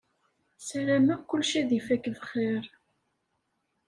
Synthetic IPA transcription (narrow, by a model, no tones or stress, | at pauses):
sæɾæmækːʊlʃæðifækːðəχːeɾˤ